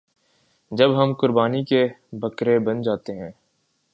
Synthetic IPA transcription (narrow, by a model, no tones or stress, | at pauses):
d͡ʒɐbɦɐmkʊɾbaːnikebʱɐkɾebɐnd͡ʒaːt̪eɦɛ̃ː